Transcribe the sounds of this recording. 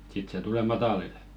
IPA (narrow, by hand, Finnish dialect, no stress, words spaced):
sit se tule mɑtɑlil